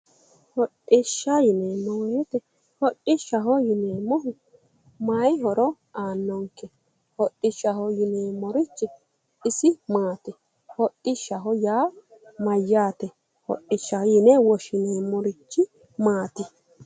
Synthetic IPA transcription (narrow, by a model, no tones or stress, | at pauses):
hɔɗːɪʃːɐjɪnemːɔwet̪ɛ | hɔʔɪʃːɐɦɔjɪneːmːɔɦʊ | majɦɔɾɔ | aːnːɔŋkɛ | hɔɗːɪʃːɐhɔjɪneːmːɔɾɪt͡ʃːɪ | ɪsɪmaːt̪ɪ | hɔʔɪʃːɐɦɔjaːmɐjːaːt̪ɛ | hɔ̰ʔːɪʃːɐhɔjɪnɛwɔʃɪneːmːɔɾɪt͡ʃːɪ | maːt̪ɪ